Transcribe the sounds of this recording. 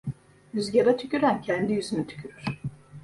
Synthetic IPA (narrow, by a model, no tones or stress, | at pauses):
yzɟaɾat̪ʰycʲyɾæncʰænd̪ijyzynyt̪ʰy̥cʰyɾyɾ̥